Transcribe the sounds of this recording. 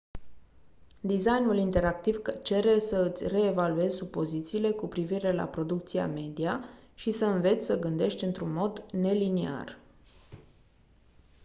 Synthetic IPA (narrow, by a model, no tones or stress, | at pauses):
d̪izajnulint̪e̞ɾak̚t̪ivt͡ʃe̞ɾe̞səɨt̪sʲre̞ːvalue̞zʲsupo̞zit̪siːle̞kupɾiviɾe̞la̰pɾo̞d̪uk̚t̪sia̰me̞d̪iaʃisəɨnve̞t̪sʲsəɡɨnd̪e̞ʃt̪ʲɨnt̪ɾunmo̞d̪ne̞linea̰r